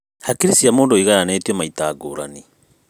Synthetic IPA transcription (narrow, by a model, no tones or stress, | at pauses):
hakiɾisiamoːndoiɣajanetjɔmaitaːɡoːɾa̰ni